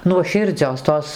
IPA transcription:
nuɔˈʃʲɪrʲd͡zʲoːs ˈtoːs

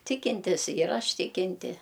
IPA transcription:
ˈtʲɪkʲɪnʲtʲɪs jɪr ˈɐʃ ˈtʲɪkʲɪnʲtʲɪ

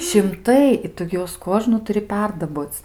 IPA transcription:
ʃʲɪmˈtɐɪ ɪ ˈtʊ ˈjuɔs ˈkoːʒnuː tʊˈrʲɪ ˈpʲɛrdɐboːt͡s

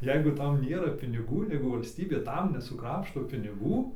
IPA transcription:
ˈjɛɪɡʊ ˈtɐm ˈnʲeːrɐ pʲɪnʲɪˈɡuː ˈjɛɪɡʊ ʋɐlʲsʲˈtʲiːbʲeː ˈtɐm nʲɛsʊˈkrɑːpʃtoː pʲɪnʲɪˈɡuː

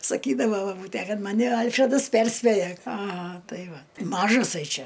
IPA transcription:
sɐˈkʲiːdɐʋɐ bɐˈbuːtʲæ ˈkɐt ˈmɑːnʲɪ ˈɐlʲfʲrʲɛdɐs ˈpʲɛrʲsʲpʲeːjɛ ɐˈɣɐ ˈtɐɪ ˈʋɐ ˈmɑːʒɐsɐɪ ˈt͡ʃʲɛ

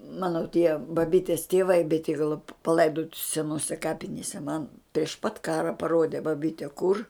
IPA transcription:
ˈmɑːnoː tʲiɛ bɐˈbʲiːtʲeːs tʲeːˈʋɐɪ bʲɛˈtʲiːɡɐlˠoː pɐˈlˠɐɪdoːtʲɪ sʲɛˈnoːsʲɛ ˈkɑːpʲɪnʲeːsʲɛ mɐn pʲrʲɪʃ pɐt ˈkɑːrɐ pɐˈroːdʲɛ bɐˈbʲiːtʲɛ kʊr

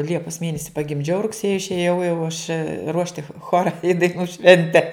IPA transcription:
ˈlʲiɛpɐs ˈmʲeːnʲɛsʲɪ pɐɡʲɪmʲˈd͡ʒʲɛʊ rʊkˈsʲeːjɪ ɪʃʲeːˈjɛʊ jɛʊ ɐʃ ˈruɔʃʲtʲɪ ˈxoːrɐ ɪ dɐɪˈnuː ˈʃʲʋʲɛnʲtʲɛ

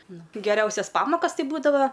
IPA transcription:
ˈnʊ ɡʲɛˈrʲɛʊsʲɛs ˈpɑːmoːkɐs ˈtʲɪ ˈbuːdɐʋɐ

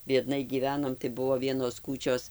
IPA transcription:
bʲiɛdˈnɐɪ ɡʲiːˈʋʲæːnoːm tɐɪ ˈbʊʋoː ˈʋʲiɛnoːs ˈkuːt͡ʃʲoːs

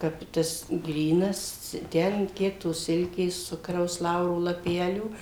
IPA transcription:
ˈkɐp tɐs ˈɡrʲiːnɐs ˈtʲɛn ˈkʲiɛk toːs ˈsʲɪlʲkʲeːs ˈt͡sʊkrɐʊs ˈlˠɐʊroː lˠɐˈpʲæːlʲuː

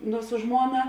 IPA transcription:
nʊ sʊ ˈʒmuɔnɐ

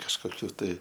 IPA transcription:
kɐʃkoːˈkʲuː ˈtɐɪ

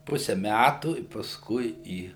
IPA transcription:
ˈpʊsʲɛ ˈmʲætuː ɪ pɐˈskʊɪ ˈiː

